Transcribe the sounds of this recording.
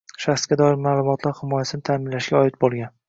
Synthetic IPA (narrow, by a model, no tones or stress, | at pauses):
ʃaχsɡʲad̪ɒɪɾmaːlˠʊmɒt̪ʰlaɾhɪmɒjasɪnɪt̪ʰaːmɪnlaʃɡʲaɒɪt̪̚bolˠɡʲan